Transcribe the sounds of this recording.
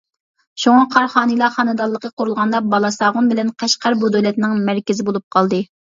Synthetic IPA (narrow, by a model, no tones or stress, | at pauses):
ʃuŋɑqʰɑɾχɑːnɨlˠɑχɑnɨd̪ɑlˠːəqʰəqʰʊɾulˠʁɑnd̪ɑbɑlˠɑsɑːʁʊnbɪlɛnqʰɛʃqæɾbud̪ølɛt̪nɪŋmæɾkʲɪzɪbolˠup̚qʰɑlˠd̪ɨ